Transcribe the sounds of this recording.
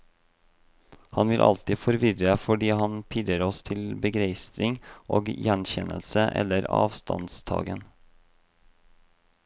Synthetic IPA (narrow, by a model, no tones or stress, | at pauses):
hɑnʋɪlʔɑ̰lt̪ɪːfɔɾʋɪɾəfɔɖiːhɑnpʰɪd̪əɾɔst̪ʰɪlbəɡɾeɪst̪ɾɪŋʔoːɡjɛnçɛnʔə̰lsəʔɛ̰lːəɾɑ̰ːʋst̪ʰɑ̰nst̪ʰɑ̰ːɡən